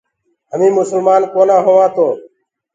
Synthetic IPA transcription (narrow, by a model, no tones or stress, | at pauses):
ɦəmĩːmʊsəlmaːnkoːnãːɦoːʋãːt̪ʰoː